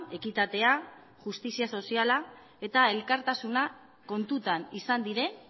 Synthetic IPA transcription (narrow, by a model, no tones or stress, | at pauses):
e̞kit̪at̪e̞a | ʝust̪isiaso̞siala | e̞t̪ae̞lkaɾt̪asuna | ko̞nt̪ut̪anisand̪iɾe̞